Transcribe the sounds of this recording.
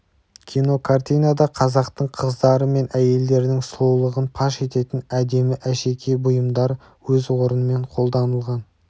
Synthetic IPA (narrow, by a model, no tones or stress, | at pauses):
kʲʰino̞kʰart̪ijnad̪ɑqʰɑzɑqt̪əɴqʰəzd̪ɑɾəme̞nʔæje̞ld̪e̞ɾnɪŋslˠowlˠəʁənpʰɑʃe̞t̪e̞t̪ɪnæd̪e̞mɪʔæʃe̞kʲʰe̞bʊjəmd̪ɑɾ | wɵzwo̞ɾənəme̞ɴqʰo̞lˠd̪ɑnəlˠʁɑn